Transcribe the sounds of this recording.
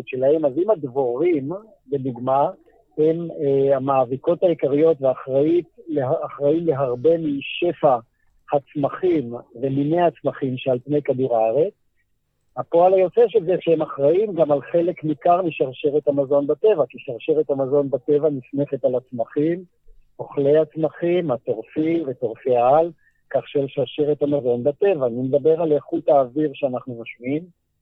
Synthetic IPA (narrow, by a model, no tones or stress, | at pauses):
tʃe̞lahe̞mazimadvoʁim | be̞duɡma | hemamaːviko̞t̪haikaʁijo̞tveaχʁaitaχʁaimle̞ɦaʁbe̞miʃe̞fa | hat͡smaχimveminejhat͡smaχimʃealpne̞jkaduʁaaʁe̞t͡s | hapo̞alajo̞t͡seʃelzeʃehemaχʁaimɡamalχe̞le̞kmikaʁmiʃaʁʃeʁet̪hamazo̞nbat̪e̞vakiʃaʁʃeʁet̪hamazo̞nbat̪e̞vanifne̞χe̞t̪alat͡smaχim | o̞χle̞jat͡smaχimhat̪o̞ʁfivetoʁfeaal | kaχʃelʃaʁʃeʁet̪hamazo̞nbat̪e̞vaːnimed̪abe̞ʁaleχut̪aːviʁʃeanaχnumaʃmiim